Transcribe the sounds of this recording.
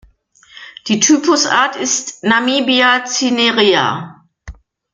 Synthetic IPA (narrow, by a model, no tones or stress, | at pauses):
d̥iːtʰyːpʊsa̰ːɐtɪstnamiːbiat͡sineʁia̰